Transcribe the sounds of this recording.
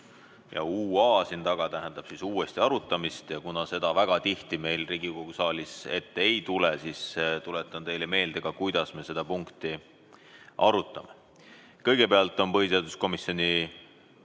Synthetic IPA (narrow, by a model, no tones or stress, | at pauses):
jɑ̰uːɑːsint̪ɑɡ̥ɑt̪æɦend̪̥ɑb̥sisuːe̞st̪iɑɾut̪ːˑɑmist̪jɑkunɑse̞d̪̥ɑvæɡ̥ɑt̪iht̪ime̞jlriːɡiko̞ɡ̥usɑːlise̞t̪ːeejt̪ulɛsist̪ulɛt̪ːˑɑnt̪e̞jleme̞ːld̪̥eɡ̥ɑkujd̪̥ɑsme̞se̞d̪̥ɑpuŋkt̪i | ʔɑɾut̪ːˑɑme̞ | kɤ̞jɡ̥e̞peɑlt̪ːˑo̞npɤɦiseɑːd̪usko̞misːjo̞nʲi